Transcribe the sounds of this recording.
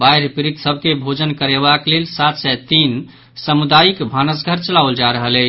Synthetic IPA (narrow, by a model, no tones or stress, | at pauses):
bajɾpɾit̪səb̚ʱkebʱod͡ʒənkəɾebaklelsat̪sɛt̪in | səmud̪ajikbʱanəs̬ɡʱəɾt͡ʃəlauld͡ʒaɾəɦələ